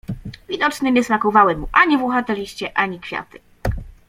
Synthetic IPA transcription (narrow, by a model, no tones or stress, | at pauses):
vʲid̪ɔt͡ʂnɘɲʲɛsnakɔvawɛmuʔaɲivuxat̪ɛlʲiɕt͡ɕɛʔaɲikfʲja̰t̪ɘ̥